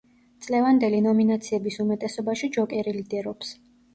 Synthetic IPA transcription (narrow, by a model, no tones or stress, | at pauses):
t̪sʼlɛvand̪ɛlinɔminat̪sʰiɛbisumɛt̪ʼɛsɔbaʃid͡ʒɔkʼɛɾilid̪ɛɾɔps